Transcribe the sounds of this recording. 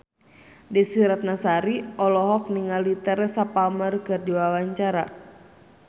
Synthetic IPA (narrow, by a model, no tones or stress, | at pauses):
disiɾat̪̚nasaɾiɔlɔɦɔk̚niŋalit̪ɛɾɛsapamərkɨrdiwawaɲt͡ʃaɾa̰